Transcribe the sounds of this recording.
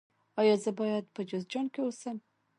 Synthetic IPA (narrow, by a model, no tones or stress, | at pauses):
ɑjɑzəbɑjad̪pəd͡ʒozd͡ʒɑnkeosəm